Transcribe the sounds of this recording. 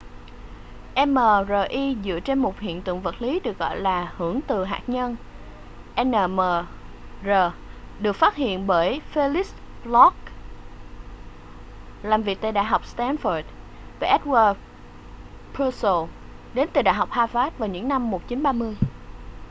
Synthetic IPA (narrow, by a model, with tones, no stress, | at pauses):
ʔɛ˧mːəː˨˩zəː˨˩ʔi˧zɨ̰˧˨t͡ɕe˧nmo˨˩t̚hḭ˧˨ənt̪ɨ̰˧˨əŋvə˨˩t̚li˨˦ɗɨ˨˩ək̚ɣɔ̰˧˨jlaː˨˩hɨ˧˩əŋt̪ɨ˨˩ɦa̰ː˨˩t̚ɲə˧n | ʔɛ˧nːəː˨˩məː˨˩ | zəː˨˩ | ɗɨ˨˩ək̚faː˦˥t̚hḭ˧˨ənɓəː˧˩jfe˧li˦˥s | lɔ˦˥k̚ | laː˨˩mvi˨˩ək̚t̪aː˧˨ɗa̰ː˧˨jɦɔ˨˩wk͡p̚st̪ɛ˧nfə˨˩t̚ | va˨˩ʔɛ˦˥t̚wəː˧ | pu˧so˧˩ | ɗe˨˦nt̪ɨ˨˩ɗa̰ː˧˨jɦa˨˩wk͡p̚haː˧faː˦˥t̚vaː˨˩wɲɨ̰˧˥ŋna˧mːo˨˩t̚t͡ɕi˨˦nɓaː˧mɨ˧əj